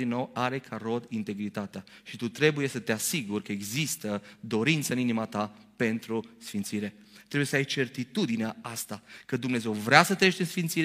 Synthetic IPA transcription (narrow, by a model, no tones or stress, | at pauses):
inːo̞waɾe̞kʰaɾo̞d̪int̪e̞ɡɾit̪at̪ea | ʃit̪ut̪ɾe̞buje̞sət̪e̞asiɡurkəe̞ɡzist̪əd̪o̞ɾint̪səɨninimat̪a | pe̞nt̪ɾusfint̪siɾe̞ | t̪ɾeujesəajt͡ʃe̞rt̪it̪ud̪ineaast̪akəd̪umne̞ze̞wvɾeasət̪ɾəeʃt̪esfint̪siɾ